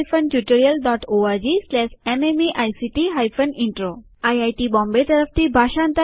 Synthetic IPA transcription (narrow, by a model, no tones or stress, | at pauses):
fʰəntjuʈoɾijəlɖɔʈoaɾd͡ʑislɛʃememeʔajsiʈiɦajpʰəniɳʈɾo | ajajʈibɔ̃mbet̪əɾəft̪ibʱaʃãnt̪ə